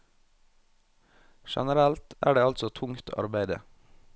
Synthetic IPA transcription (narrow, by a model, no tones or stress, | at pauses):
ʃɛ̰nəɾælt̪ʔæ̰ːɖeːɑlt̪sɔt̪ʰʊŋt̪ʰɑ̰ɾbæɪd̪ə̰